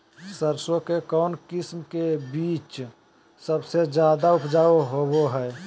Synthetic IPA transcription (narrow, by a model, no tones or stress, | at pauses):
səɾsokekɔːnkɪsmkebiːt͡ʃ | səbsed͡ʒjaːd̪aʊpʰd͡ʒaːoɦoboɦɛː